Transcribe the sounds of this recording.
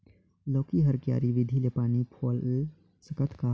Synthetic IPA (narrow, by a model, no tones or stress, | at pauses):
lɔːkiɦəɾkja̰ːɾiʋɪd̪ʱilepaːnipʰoːl | səkət̪ʰkaː